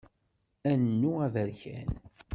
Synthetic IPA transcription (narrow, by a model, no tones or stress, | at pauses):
ænːuævəɾçæ̰n